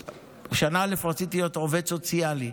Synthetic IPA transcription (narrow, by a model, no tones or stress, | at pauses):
ʃanaalefʁat͡sit̪ijo̞toved̪so̞t͡siali